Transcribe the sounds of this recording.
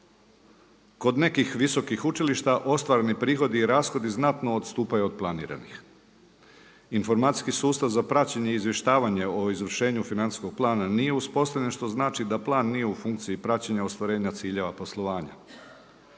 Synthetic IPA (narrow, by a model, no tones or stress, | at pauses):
ko̞d̪ne̞kixʋiso̞kixut͡ʃiliʃt̪aʔo̞st̪ʋaɾenipɾiːxo̞d̪iːɾaːsxo̞d̪iznat̪no̞ːd̪st̪uːpajeod̪̚plˠanḭːɾa̰nix | info̞ɾmaːt̪i̥skisuːst̪aʋzapɾat͡ɕeɲe̞iizje̞ʃt̪aːʋaɲe̞o̞izʋr̩ʃe̞ːɲufinant̪i̥sko̞ɡ̥̚plˠaːnanije̞uspo̞st̪avʎe̞nʃt̪o̞znaːt͡ʃid̪aplˠaːnːije̞ufuŋk̚t̪siipɾat͡ɕeɲaost̪ʋaɾe̞ːɲat̪siːʎe̞ʋapo̞slˠo̞ʋaːɲa̰